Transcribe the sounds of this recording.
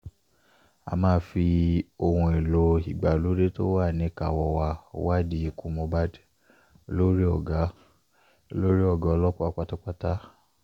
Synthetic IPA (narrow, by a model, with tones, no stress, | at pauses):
a̰˧mãː˦fi˧o˧hũ˧e˨lo˨˦i˨ɡ͡ba˨lo˨˦ɾe˦to̰˦wa˦˨nĩ˨˦ka˨wɔ˧wa˧˦wa˦di˧˦i˧kũ˦mõ˧ba˦di˦˧ | lo˦ɾi˦ɔ˦˨ɡa˨˦˧ | lo˦ɾi˦ɔ˦˨ɡa˨˦ɔ˧lɔ˦kɔ˦a˦k͡pa˧tɔ˦k͡pa˦ta˦